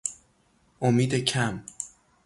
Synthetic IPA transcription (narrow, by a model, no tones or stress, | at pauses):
ʔomiːd̪ecʰæm